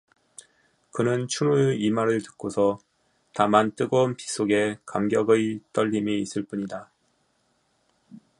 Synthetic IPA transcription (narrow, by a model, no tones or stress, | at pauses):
kɯnɯnt͡ɕʰuɾueimaɾɯɭtɯ̥k͈osʰʌ | tamant͈ɯɡonpi̥s͈oɡe̞kamɡjʌɡɯjt͈ʌʎːimeis͈ɯɭp͈uɲida